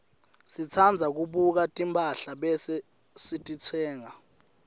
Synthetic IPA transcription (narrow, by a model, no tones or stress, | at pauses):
sit͡sʰand͡zʱak̬uɓuk̬atʼimpʰʼaɬaɓɛsɛ | sitʼit͡sʰɛːŋa